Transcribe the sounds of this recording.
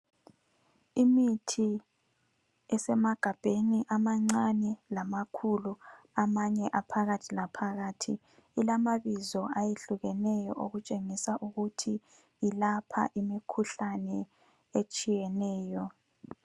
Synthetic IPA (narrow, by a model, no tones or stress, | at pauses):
imitʰi | ɛsɛmaɡ̥ʱab̥ʱeniʔamaŋ͡ǀanɛlamakʰulu | amaɲɛʔapʰaɣatʰilapʰaɣatʰiː | lamaβizɔajeɬuɣɛnɛjɔ̰ʔoɣut͡ʃʼeŋisaʔuɣutʰi | ilapʰa̰ʔimikʰuɬanɛ | et͡ʃʼijɛnɛːjɔ